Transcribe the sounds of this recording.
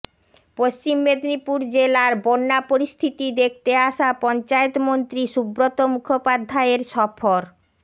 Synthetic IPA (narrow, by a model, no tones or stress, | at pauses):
poʃt͡ɕimːed̪nipuɾd͡ʑelaɾbonːapoɾist̪ʰit̪id̪ek̚ʰt̪eaʃapɔnt͡ɕaet̪mont̪ɾiʃubɾot̪omukʰopad̪ʱːaeɾʃɔfʰoɾ